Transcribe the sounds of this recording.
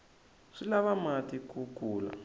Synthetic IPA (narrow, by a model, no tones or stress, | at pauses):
ʂilaβamatikukuːla̰